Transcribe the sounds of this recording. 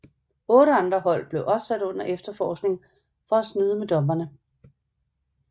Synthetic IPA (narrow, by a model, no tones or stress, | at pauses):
ɔ̽ːɾəɑ̈nd̥ʁɐhɒ̽l̰b̥le̝ʊʔɒ̽b̥sæd̥ɔ̽n̰ɐʔefd̥ɐfɒːsɡ̥ne̝ŋ | fɒ̽æsnyðˠəmed̥ɒ̽mb̥ɐnə